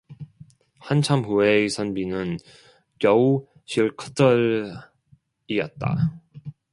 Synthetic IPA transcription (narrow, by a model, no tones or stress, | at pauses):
hant͡ɕʰamhueisʰʌnbinɯn | kjʌu | ɕʰiɭkʰʌ̥tʰʌɾ | iʌt̚t͈a̰